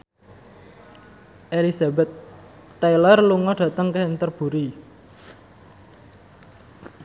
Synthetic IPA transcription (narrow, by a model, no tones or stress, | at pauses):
ʔelisabɛt̪ː | ajlərluŋɔɖ̥ä̤t̪əŋkehənt̪ərb̥ṳɾi